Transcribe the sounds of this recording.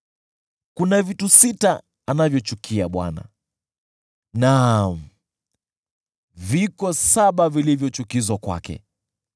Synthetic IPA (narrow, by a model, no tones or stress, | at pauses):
kunavitusita | anavjɔt͡ʃukʰiaɓwa̰na̰ | nam̩ | vikɔsaɓavilivjɔt͡ʃukizwakwa̰kɛ̰